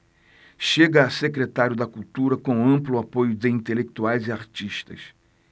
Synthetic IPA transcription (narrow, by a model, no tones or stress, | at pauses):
ʃeɡɐːsekɾet̪aɾjʊd̪ɐkuwt̪uɾɐkõɐ̃mplʊapojʊd̪ɪĩnt̪elek̚t̪uajzɪaɾt͡ʃiʃt̪ɐ̰s